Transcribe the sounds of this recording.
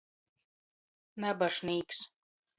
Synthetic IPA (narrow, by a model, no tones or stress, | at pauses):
nabaʃniːks